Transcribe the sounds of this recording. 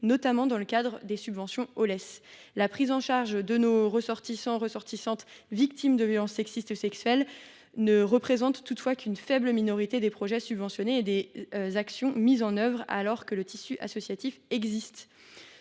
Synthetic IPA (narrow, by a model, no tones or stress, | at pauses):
nɔt̪amɑ̃d̪ɑ̃ləkad̪ʁəd̪esybvɑ̃sjɔ̃ɔlɛslapχizɑ̃ʃaʁʒd̪ənoʁəsɔʁt̪isɑ̃ʁəsɔʁt̪isɑ̃t̪vik̚t̪imd̪əvjɔlɑ̃sːɛksist̪esɛksɥɛl | nəʁəpχezɑ̃t̪ːut̪fwakʲynfɛbləminɔʁit̪ed̪epχɔʒɛsybvɑ̃sjɔneːd̪ezaksjɔ̃mizɑ̃nœvʁa̰lɔʁkələt̪ʰisyʔa̰sɔsjat̪ifɛɡzist̪